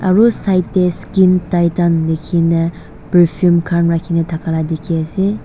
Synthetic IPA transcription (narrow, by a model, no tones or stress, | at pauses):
a̰ɾusajtːeskintajtanlekʰinɐ | pepʰiumkʰanɾakʰinɐtʰakʰaladekʰiaze